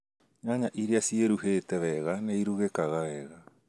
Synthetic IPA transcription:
ɲaɲaʔiɾeasieɾuheːtɛwɛɣaneiɾuɣekaɣawɛːɣa

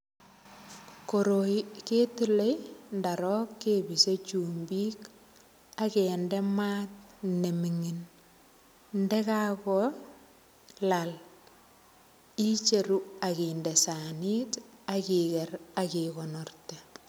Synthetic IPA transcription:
koɾoikeːtulejndaɾɔkːebiset͡ʃumbik | akɛndɛmaːt̚nemiŋin | ndɛkakɔ | lal | it͡ʃeɾuakindɛsanitakikɛɾakikɔnɔrte

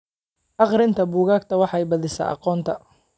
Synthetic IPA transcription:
ʔɑqɾɪnt̪ʰɐbuːɣaːkt̪ʰɐwɑħɑjbɐðɪsɐ̰ːʔɑ̰qɔːnt̪ʰɐ

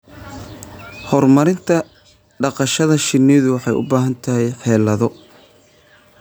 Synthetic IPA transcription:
hɔrmɐɾɪnt̪ʰɐ | ɖɑqɑʃɐðɐʃɪnːɪðʊwɑħɑjʔʊ̰baːɦɐnt̪ʰɐɦɛjħɛːlɐðɔ

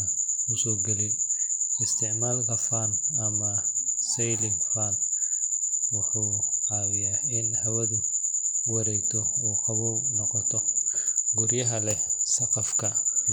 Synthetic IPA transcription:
kʰʊsɔːɡɐlijɪst̪ʰɪʕmaːlkɐfaːnɐmɐsɛjlɪŋfaːn | wʊħuːawɪjaːɪnhɐwɐðʊwɐɾɛjt̪ʰɔɔːqɑβɔwnɔqɔt̪ʰɔ | ɡʊɾjɐɦɐlɛsɐqɐfkʰɐ

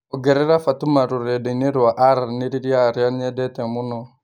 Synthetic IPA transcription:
ɔɡɛɾɛɾafatumaɾuɾɛdɛneɾuaʔaɾneɾiɾiaɾanɛdɛtɛmʊnɔ

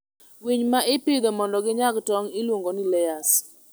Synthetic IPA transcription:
wiɲmaʔɪpɪd̪ɔmɔndɔɡɪɲaɡtɔŋɪlwoŋɡonɪlɛjas

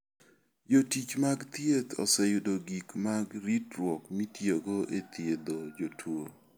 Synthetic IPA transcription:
jotit͡ʃmaɡt̪jet̪ɔ̰sɛjʊdoɡikmaɡɾitɾwɔkmitjeɡoʔet̪jed̪od͡ʒotʰwo

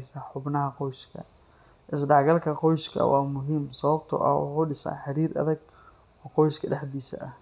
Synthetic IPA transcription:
sɐħʊbnɐɦɐqɔjʃkʰɐ̰ | ʔɪs̬ɖɑʕɡɐlkʰɐqɔjɪskʰɐ̰wɑːmʊɦimsɐβɐbt̪ʰʊ̰ʔɐ̰wʊ̰ħuːɖɪsɐ̰ːħɑɾiːɾʔɐ̰ðɐɡ | ɔːqɔjɪskʰɐɖɛħd̪iːsɐ̰ʔɐh

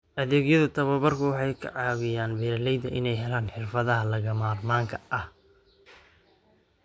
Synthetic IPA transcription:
ʔɐðɛːɣjɐðɐt̪ʰɐβɐβɐrkʰɐwɑħɑjkʰɐ̰ʕɑːwɪjaːnbɛːɾɐlɛjd̪ɐʔɪnɛjɦɛlaːnħɪrfɐðɐɦɐlɐɣɐmaːrmaːŋkʰɐʔɐh

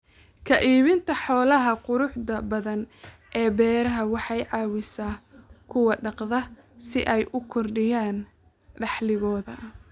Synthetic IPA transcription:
kʰɐʔiːβɪnt̪ʰɐħɔːlɐɦɐqʊɾʊħðɐbɐðɐn | ʔɛːbɛːɾɐɦɐwɑħɑjʕɑːwɪsaːkʰʊwɐɖɑqðɐsɪʔɛjʔʊkʰɔrɖɪjaːn | ɖɑħlɪɣɔːðɐ

